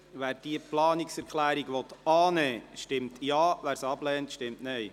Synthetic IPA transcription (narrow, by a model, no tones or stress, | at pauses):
ʋæːɾd̥iəplɑːniksɛɾkʰlæːɾiɡʋɔt̪ɑːnɛːʃtɪmtjɑːʋæːɾsɑblɛːntʃtɪmtnɛj